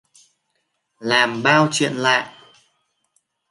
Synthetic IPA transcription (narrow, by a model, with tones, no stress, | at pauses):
laː˨˩mɓaː˧wt͡ɕwḭ˧˨ənla̰ː˧˨jʔ